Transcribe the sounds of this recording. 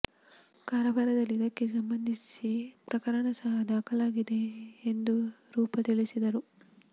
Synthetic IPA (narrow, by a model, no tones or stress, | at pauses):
kaːɾɐbʱɐɾɐd̪ɐlːid̪ɐkːe̞s̬ɐmbɐnd̪ʱisipɾɐkɐɾɐɳɐsɐɦɐd̪aːkɐlaːɡid̪e̞ːnd̪uɾuːpɐt̪iɭisid̪ɐɾu